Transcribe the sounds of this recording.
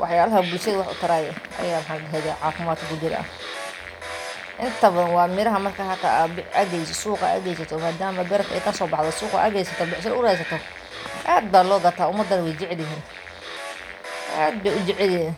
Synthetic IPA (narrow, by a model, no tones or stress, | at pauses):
wʔɑħjaːlɐɦɐbʊlʃɐðɐwɑħʔʊ̰t̪ʰɐɾaːjɛʔɐ̰jaːwħɑnɦɛðaʕɑːfɪmaːd̪̚kʰɐkʊd͡ʒɪɾa̰ | ʔɪnt̪ʰɐβɐwɑːmɪɾɐɦɐmɐrkʰaɦɐkʰa̰bɪʔɐɣɛjsɔsuːqɐ̰ʔɐ̰ɣɛjsɐt̪ʰɔmaːd̪aːmɐbɛɾɐkʰɛjkʰɐsɔːbɑħðɔsuːqɐ̰ʔɐɣɛjsɐt̪ʰɔbɪʕs̬ɐnʊɾɛjs̬ɐt̪ʰɔ | ʔaːd̪̚baːlɔːɡɐt̪ʰaːʊmɐd̪ːɐɾwɛjd͡ʒɪʕɪlɪɦiːn | ʔaːd̪̚bɛjʊd͡ʒɪʕɪlɛn